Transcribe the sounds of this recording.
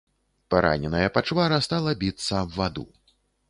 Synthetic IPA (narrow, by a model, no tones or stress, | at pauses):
paɾa̰nʲɛnɐjɐpat͡ʂvaɾɐst̪alˠɐbʲit̪sːɐbvad̪ṵ